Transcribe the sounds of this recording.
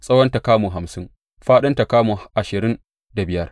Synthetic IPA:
sʼɐ˦wɐ˦nta˨kaː˦muː˨ɦa˨msɪ˦ŋ | ɸaː˦ɗɐ˦nta˨kaː˦muː˨ʔa˨ʃɪ˨ɾɪ˦n | da˨bɪ˦jɐ˦r

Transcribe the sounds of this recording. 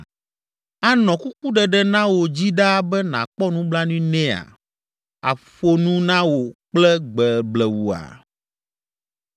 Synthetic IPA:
a˦nɔ̃˨ku˦ku˦ɖɛ˨ɖɛ˦nã˦wo˨d͡ʑi˦ɖa˦bɛ˦nã̰˨k͡pɔ˦nũ˦bla˦nũ˦nɛ̃˦a̰˨ | a̰˨ɸo˦nũ˦nã˦wo˨k͡plɛ˦ɡ͡bɛ˨blɛ˨wu˨a̰˨

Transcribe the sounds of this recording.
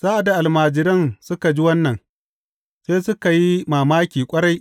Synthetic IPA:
z̥aː˦ʔa˨da˨ʔa˨lmaː˨d͡ʒɪ˨ɾɪ˦nsʊ˦ka˨d͡ʒi˦wɐ˦nːɐ˨n | seː˦sʊ˦ka˨ji˦maː˨maː˦kʲiː˨kʷʼɐ˦ɽa˦jʔ

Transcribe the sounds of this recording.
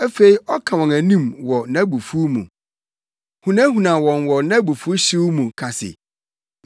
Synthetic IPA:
æ˦fe˦i˦ʔɔ˦kʰã˨wɔ̃˨næ˨nĩ˦mwɔ˨nã˦bu˨fu˦mũ˨ | hũ˨nã˦ɦũ˨nã˨wɔ̃˨nwɔ˨nã˦bu˨fu˦ɕi˦wmũ˨kʰa˨sɪ̰˨

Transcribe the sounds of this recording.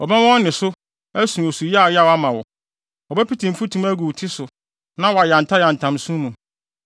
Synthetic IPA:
ɔ˨bɛ˦wɔ̃˦nnɪ̃˨sʊ˦ | æ˦sũ˨o˨su˨ji˦a˨jɛ˦a˨wa˦mã˨wɔ̰˨ | ɔ˨bɛ˦pʰi˦tʰĩ˨m̩˨fu˦tʰũ˦mæ˦ɡu˨tʰi˦sʊ˨ | nã˦wɔ˨a˨jã˨n̩˨tʰa˦jã˨n̩˨tʰã˨msũ˦mũ˨

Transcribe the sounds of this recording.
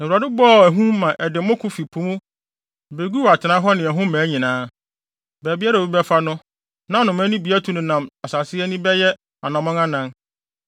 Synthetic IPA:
nã˨u˨a˨dʊ˦bɔ˦˨æ˨ɦũ˦mã˨ʔɛ˨dɪ˨˦mʊ̃˦kʰʊ̃˦fi˨pʰũ˦mʊ̃˦ | be˨ɡu˦wa˨tʰɪ˨nã˦ɦɔ˦nɪ̃˨æ˨ɦʊ̃˦mæ̃ː˨˦ɲĩ˨nãː˦ | bæː˨bi˦a˦ɾa˨u˦bɛ˦fa˦nʊ̃˦ | nã˦˨nʊ̃˨m˦æ˦nĩ˦bi˨˦æ˦tʰu˨nʊ̃˨nã˨ma˨sa˨sɪ˦ɛ˦nĩ˦bɛ˦jɛ˦ | a˨nɔ̃˨mɔ̃˦ŋã˦nã˨n

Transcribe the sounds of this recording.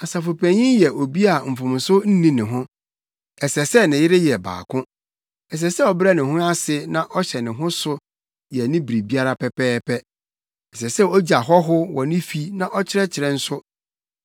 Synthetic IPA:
a˨sa˨fʊ˨pʰæ̃˨ɲɪ̃˦jɛ˨ʔo˨bi˦a˨m̩˨fʊ̃˨m˨sʊ˦n̩˦nĩ˦nɪ̃˨ɦʊ̃˦ | ɛ˨sɛ˨sɛ˦nɪ̃˨jɪ˦ɾɪ˦jɛ˨ba̰ː˨kʰʊ̃˦ | ɛ˨s̬ɛ˨sɛ˦ɔ˨bɾɛ˦nɪ̃˨ɦʊ̃˦a˦sɪ˦nã˦ʔɔ˦ɕɛ˨nɪ̃˨ɦʊ̃˦sʊ˦ | jɛ˨nɪ̃˦bɾi˨bi˦a˦ɾa˦pʰɛ˨pʰɛː˦pʰɛ˦ | ɛ˨s̬ɛ˨sɛ˦˨o˦d͡ʑa˨ɦɔ˦ɦʊ˦wɔ˨nɪ̃˦fi˦nã˨ʔɔ˦t͡ɕʰɪ˦ɾɛ˦t͡ɕʰɪ˨ɾɛ˨n̩˦sʊ˦

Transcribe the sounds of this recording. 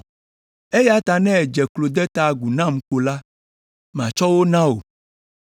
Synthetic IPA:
e˦ja˦t̪a˨nɛ̃˦ɛ˨d͡ʒɛ˨klo˨d̪ɛ˦t̪a˨ɡu˨nã˦˨m˨k͡po˨la˦ | m˨ã˨t͡ʃɔ˦wo˦nã˦o˨

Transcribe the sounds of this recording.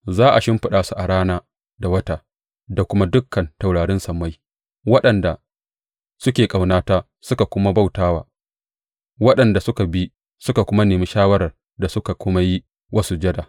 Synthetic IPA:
zaː˦ʔa˨ʃɪ˦mɸɪ˨ɗaː˨su˨ʔa˨ɽaː˦naː˦ | da˨wɐ˦ta˦ | da˨kʷʊ˦ma˦dʊ˦kʰːɐ˨nta˨wɽaː˨ɽɪ˦nsɐ˨mːa˦j | wɐ˦ɗɐ˨nda˨ | sʊ˦kʲeː˨kʼa˨wnaː˦taː˦ | sʊ˦ka˨kʷʊ˦ma˦ba˦wtaː˦wa̰ː˨ | wɐ˦ɗɐ˨nda˨sʊ˦ka˨bi˦ | sʊ˦ka˨kʷʊ˦ma˦neː˨miː˦ʃaː˦wɐ˦ɾɐ˨r | da˨sʊ˦ka˨kʷʊ˦ma˦ji˦ | wʔɐ˦su˦d͡ʒɐ˦da˨

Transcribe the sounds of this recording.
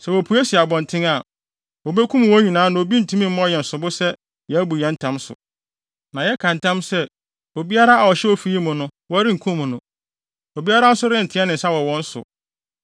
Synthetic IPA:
sɛ˨wo˨pʰu˨˦ɛ˦si˨a˨bɔ̃˨n˨tʰɪ̃˦ŋa˨ | o˨be˦kʰũ˦m˨wɔ̃˦ɲĩ˨nãː˨˦nã˨o˨bi˦n̩˨tʰũ˦mĩ˦m̩˦mɔ̃˦˨jɛ˨n̩˨sʊ˨bʊ˦sɛ˦ | jɛ˨æ˦bu˨jɛ˨˦n̩˦tʰã˦msʊ̰˨ | nã˨jɛ˦kʰã˨n̩˨tʰã˦msɛ˦ | o˨bi˦a˦ɾa˦a˨wɔ˨ɕɛ˦wo˦fi˨ji˦mʊ̃˨nʊ̃˦wɔ˦ɾɪ̃˦ŋ̩˨kʰũ˦mʊ̃˨nʊ̃˨ | o˨bi˦a˦ɾa˦n̩˦sʊ˦ɾɪ˦n̩˨tʰɪ̃˨˦ɛ˦nɪ̃˨n̩˨sa˦wɔ˨wɔ̃˦n̩˦sʊ̰˨

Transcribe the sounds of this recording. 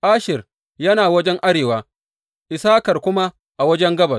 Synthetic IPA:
ʔaː˦ʃɪ˨r | jɐ˦naː˨wɐ˦d͡ʒɛ˦ŋʔa˦ɽeː˨waː˦ | ʔɪ˨saː˦kɐ˨rkʷʊ˦ma˦ | ʔa˨wɐ˦d͡ʒɛ˦ŋɡɐ˦bɐ˨s

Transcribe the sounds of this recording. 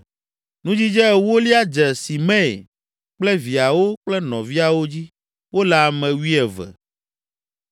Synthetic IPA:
nũ˦d͡ʑi˦d͡ʒɛ˦˨wo˦li˦a˦d͡ʒɛ˨si˨mɛ̰̃˦˨ | k͡plɛ˦vi˨a˨wo˦k͡plɛ˦nɔ̰̃˨vi˦a˨wo˦d͡ʑi˦ | wo˦lɛ˨a˨mɛ̃˨wi˦ɛ˨vɛ̰˨

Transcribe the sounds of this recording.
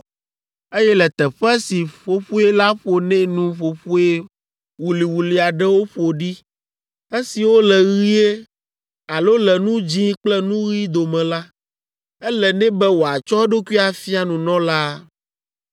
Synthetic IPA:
e˦jɛ˦lɛ˨t̪ɛ˨ɸɛ˦si˨ɸo˨ɸu˦ɛ˦la˦ɸo˨nɛ̃˦nũ˦ɸo˨ɸu˦e˦ | wu˨li˨wu˨li˨a˨ɖɛ˦wo˦ɸo˨ɖi˦ | e˦si˨wo˦lɛ˨ɣi˦e˦ | a˨lo˦lɛ˨nũ˦d͡ʑĩ˦k͡plɛ˦nũ˦ɣi˦d̪o˨mɛ̃˨la˦ | ɛ˦lɛ˨nɛ̃˦bɛ˦wo˨a˨t͡ʃɔ˦ɛ˦ɖo˦ku˦i˦a˨fi˦a˨nũ˨nɔ̃˦la˦

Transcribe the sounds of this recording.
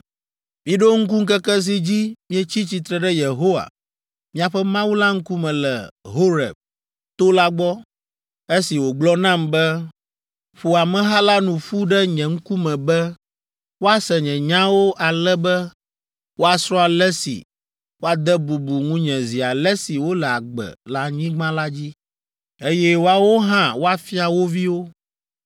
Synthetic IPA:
mĩ˨ɖo˦ŋ̩˦k̬u˦ŋ̩˦kɛ˦kɛ˦s̬i˦d͡ʑi˦mĩ˦ɛ˦t͡ɕi˦t͡ɕi˨t̪ɾɛ˨ɖɛ˦je˨ɦo˦wa̰˨ | mĩ˦a˨ɸɛ˦mã˦wu˦la˦ŋ̩˦ku˦mɛ̃˨lɛ̰˨ɦo˦ɾɛ̰˨b̚ | t̪o˦la˦ɡ͡bɔ˦ | e˦si˨wo˨ɡ͡blɔ˦nã˦mbɛ˦ | ɸo˨a˨mɛ̃˨ɦa˦la˦nũ˨ɸu˦ɖɛ˦ɲɛ̃˨ŋ̩˦ku˦mɛ̃˨bɛ˦ | wo˦a˦sɛ˨ɲɛ̃˨ɲã˦wo˦ʔa˨lɛ˦bɛ˦ | wo˦a˨sɾɔ̃˦a˨lɛ˦sḭ˨ | wo˦a˦d̪ɛ˦bu˨bu˨ŋũ˦ɲɛ̃˨zi˨a˨lɛ˦si˨wo˦lɛ˨a˨ɡ͡bɛ̰˨la˦ɲĩ˦ɡ͡bã˦la˦d͡ʑi˦ | e˦jɛ˦wo˦a˦wo˦ɦã˦wo˦a˨fi˦a˨wo˦vi˦wo˦

